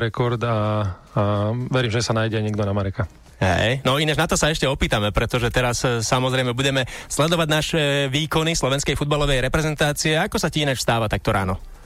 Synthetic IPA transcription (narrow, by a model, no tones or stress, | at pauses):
ɾɛkɔɾd̪a | ʋɛɾiːmʒɛsanajɟɛaɲiɛɡd̪ɔnamaɾɛka | ɦɛ̰jnɔinɛʒnat̪ɔsaɛʃcɛɔpiːt̪amɛpɾɛt̪ɔʒɛt̪ɛɾasːamɔzɾɛjmɛbuɟɛmɛslɛd̪ɔʋaɟnaʃɛʋiːkɔnislɔʋɛnskɛjfud̪balɔʋɛjɾɛpɾɛzɛnt̪aːt͡siɛakɔsaciinat͡ʃfst̪aːʋat̪ak̚t̪ɔɾa̰ːnɔ